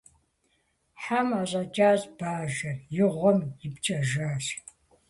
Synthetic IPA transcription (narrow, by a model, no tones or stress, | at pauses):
ħamaɕʼɐt͡ʃʼaːzb̥aːʒɐrjɪʁʷɔmjɪpt͡ʃʼɐʒaːʃ